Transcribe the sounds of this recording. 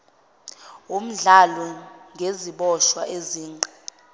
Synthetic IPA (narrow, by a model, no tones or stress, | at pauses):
um̩ɮalɔŋɡʱeziɓɔʃwaʔeziːi̥